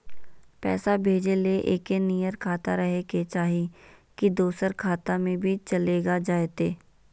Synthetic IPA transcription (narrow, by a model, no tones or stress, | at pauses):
pɛ̰ːsabʱeːd͡ʒeleʔḛːkenijəɾkʰaːt̪aɾəɦeket͡ʃaːɦikid̪uːsəɾkʰaːt̪amẽbʱit͡ʃɐleːɡad͡ʒaːet̪eː